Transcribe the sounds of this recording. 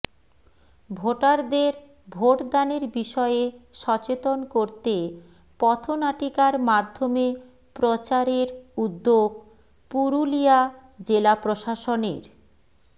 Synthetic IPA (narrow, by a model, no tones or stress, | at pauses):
bʱoʈaɾd̪eɾ | bʱoʈd̪aneɾbiʃɔeeʃɔt͡ɕet̪onkoɾt̪e | pɔt̪ʰonaʈikaɾmad̪ʱːome | pɾot͡ɕaɾeɾud̪ːoɡ | puɾulia | d͡ʑelapɾoʃaʃonḛɾ